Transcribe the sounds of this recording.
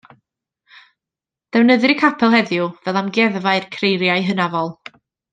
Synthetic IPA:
d̥ɛwnəðɪɾikʰapʰɛlˠɦɛðjʊvɛlˠamɡɛðvaɨrkʰrejɾjaɨjɦənavɔlˠ

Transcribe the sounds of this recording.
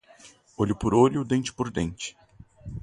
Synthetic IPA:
oʎʊpoɾoʎʊd̪ẽnt͡ʃɪ̥poɾd̪ẽnt͡ʃɪ̥

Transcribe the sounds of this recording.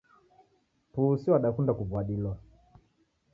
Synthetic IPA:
pusiwaɗakundakuvwaɗilwa

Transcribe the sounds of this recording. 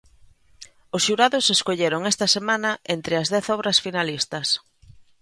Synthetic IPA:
ʊsʃuɾaðʊseskoʎeɾoŋest̪ɐsemãnɐʔent̪ɾɪɐzðɛθɔβɾɐsfinalist̪ɐs

